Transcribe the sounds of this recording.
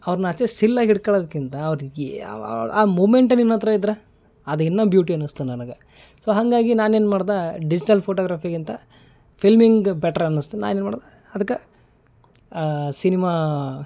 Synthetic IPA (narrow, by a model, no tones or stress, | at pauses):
ɐʋɾɐnɐɐt͡ʃːesilːaːɡiɽkɐːɭoːd̪ɐkːint̪ɐːʋɐɾ̰ | aːmoːmeɳʈɐnːinːont̪ɐɾɐid̪ɾɐ | ɐd̪ɐinːɐbjuːʈiɐnːust̪unɐnɐɡɐ | soːɦɐŋɡaːɡinaːneːnmaːɽd̪aɖid͡ʒiʈɐlpʰoːʈoːɡɾaːpʰiɡint̪ɐ | pʰilmiŋɡbɛʈɐɾɐnːust̪ena̰ːnenmaːɽd̪a | ɐd̪ɐkːɐ | sinimaː